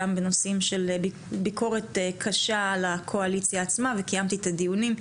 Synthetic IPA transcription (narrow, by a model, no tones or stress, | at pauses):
ambe̞no̞simʃe̞lb | biko̞ʁe̞t̪ekʰaʃalakʰo̞alit͡sjaːt͡smavekajamt̪it̪ad̪ijunim